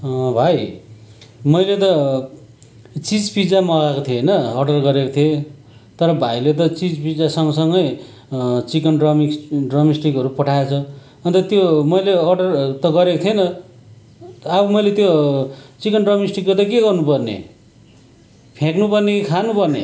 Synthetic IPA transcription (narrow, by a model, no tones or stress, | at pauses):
bʱaj | mʌjlet̪ʌ | t͡sid͡zpid͡zamʌɡakot̪ʰenʌʌɖʌrɡʌɾekot̪ʰie | t̪ʌɾʌbʱajlet̪̬ʌt͡sid͡zpid͡zasʌŋʌsʌŋɡʌj | t͡sikʌnɖrʌmiɖrʌmisʈikɦʌɾupʌʈʰajet͡sʰʌ | ʌnt̪ʌt̪jomʌjleʌɖʌrt̪ʌɡʌɾekot̪ʰjenʌ | bʌmʌjlet̪jot͡sikʌnɖrʌmisʈiklot̪ʌkeɡʌrnupʌrnḛ | pʰeknupʌrnekikʰanupʌrnḛ